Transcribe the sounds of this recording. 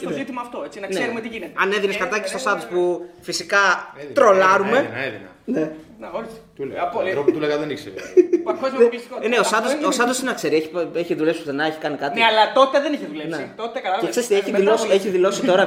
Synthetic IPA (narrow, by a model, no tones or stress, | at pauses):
sozit̪imɐːft̪oet͡sinɐknseeɾumet̪iʝinet̪eɐneðineskɐɾt̪ɐcest̪osɐnd̪ospufisikɐt̪ɾo̞lɐɾumeðḭnɐ̰ne | oɾst̪uleɾopt̪uleɣɐðeniksḛɾfezeisneossɐnd̪ososɐnd̪osinɐkse̞ɾieçipeçiðule̞psi̥pu̥t̪enɐeçi̥kɐnikɐt̪ineɐlɐt̪o̞t̪eðeniçeðulenpneit̪ot̪ekɐɐlɐeksest̪ieçiðilosieçiðilo̞sitt̪o̞ɾɐ